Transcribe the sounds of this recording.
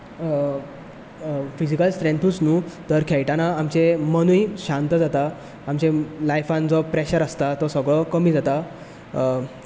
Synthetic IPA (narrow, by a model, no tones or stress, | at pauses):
fid͡ʑikəlsʈ̪ɾẽnt̪ʰuːt͡snuːt̪əɾkʰɛjʈanaamt͡semənujɕãnt̪əd͡zat̪aː | mt͡ɕelajfãnd͡zɔpɾeɕəɾəst̪at̪ɔsəɡɭɔkəmiːd͡zat̪a